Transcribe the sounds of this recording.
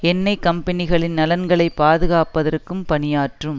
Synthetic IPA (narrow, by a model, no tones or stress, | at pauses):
ɛnːɐɪkːɐmpɐnɪɣɐɭɪnnɐlɐnɡɐɭɐɪpːaːðɯɣaːpɐðɐrkːɯmpɐnɪjaːʈrɯm